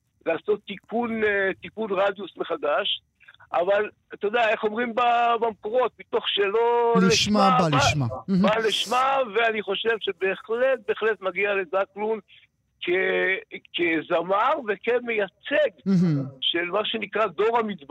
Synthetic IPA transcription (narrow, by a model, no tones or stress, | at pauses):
laːso̞t̪ːikunt̪ikunʁad̪jusmeχad̪aʃ | ʔaval | t̪od̪ae̞χo̞mʁimbabamkoʁo̞t̪̚mit̪o̞χʃelo̞liiʃmabalmabaliʃmaveaniχo̞ʃe̞vʃe̞be̞ːχle̞t̪̚beːχle̞t̪maɡiale̞zaklun | kʰekezamaʁve̞keme̞jat͡seɡʃe̞lmaʃe̞nikʁad̪o̞ʁhamit͡sb